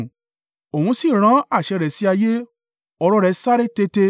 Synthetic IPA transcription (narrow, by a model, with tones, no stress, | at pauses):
o˨hũ˧si˦˨ɾ̃ã˨˦a˦˨ʃɛ˧ɾɛ˨si˦a˧je˦ | ɔ˧ɾɔ˦ɾɛ˧sa˦ɾe˦te˧te˧